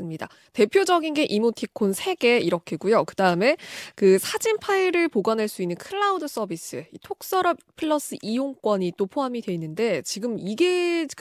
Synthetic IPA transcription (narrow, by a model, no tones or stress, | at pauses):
sɯmɲida̰ | te̞pʰjod͡ʑʌɡinɡe̞ʔimotʰikʰonsʰe̞ɡe̞iɾʌkʰeɡujokɯdaɯme̞kɯsʰad͡ʑimpʰaiɾɯɭpoɡʌnɦaɭs͈uinːɯnkʰɯɭːaudɯs͈ʌbis͈ɯitʰok̚s͈ʌɾʌb̚pʰɯɭːʌs͈ɯʔijoŋk͈wʌɲit͈opʰoɦamidwe̞inːɯnde̞t͡ɕiɡɯmiɡe̞